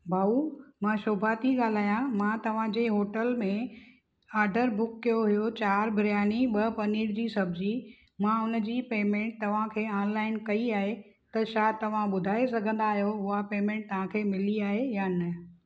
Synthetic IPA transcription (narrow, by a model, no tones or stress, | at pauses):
bʱaːumãʃʊbʱat̪ʰiɠaːl̤aːjãmãt̪ɐʋ̤ãd͡ʑeːɦoːʈəlmẽ | aːɾɖəɾbʊkːijoɦʊjot͡ɕaːɾbʱɾjaːniɓɐpɐniːɽd͡ʑiːsɐbʱd͡ʑi | mãʊnd͡ʑiːpeːmẽːɳʈ̚t̪ɐʋ̤ãkʰeːãːnlaːɪnkɐiaːɦe | t̪ɐʃaːt̪ɐʋ̤ãɓʊd̪ʱaːesɐɡʱə̃nd̪aːɦjoʊɦapeːmẽːɳʈ̚t̪ɐʋ̤ãkʰeːmɪliaːɦejanɐ